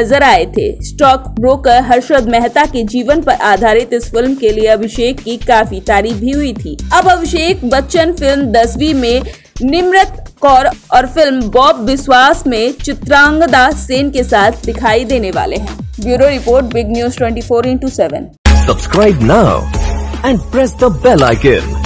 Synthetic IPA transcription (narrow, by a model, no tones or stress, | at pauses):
nɐzəɾaːet̪ʰḛsʈɔːkbɾoːkəɾɦɐɾʃɾəd̪mɛɦt̪aked͡ʒiːʋənpɐɾʔaːd̪ʱaːɾɪt̪ɪsfɪlmkelieɐbʱɪʃeːkːikaːfit̪aːɾiːfbʱiɦʊit̪ʰiːɐbɐbʱɪʃeːkbɐtːʃənfɪlmd̪ɐsʋimẽ | nɪmɾɪt̪kɔːɾɔːɾfɪlmbɔːb̚ʋɪswaːsmẽt͡ʃɪt̪ɾãːŋɡd̪aseːnkesaːt̪ʰd̪ɪkʰaːid̪eːneʋa̰ːleɦɛ̰̃ːbjuːɾoɾɪpoːɾʈ̚bɪɡnjuːzʈwɛ̃ɳʈifoːɾeːnʈuːsɛːʋə̰̃n | səbskɾaɪb̚naʊɛ̃ɳɖ̚pɾɛsd̪əbɛla̰ɪkɛ̰̃n